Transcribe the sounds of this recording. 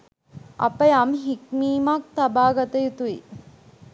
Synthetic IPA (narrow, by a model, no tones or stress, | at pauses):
ɐ̰pːɐjɐmɦikmiːmaːk̚t̪ɐbaːɡɐt̪ɐjut̪ui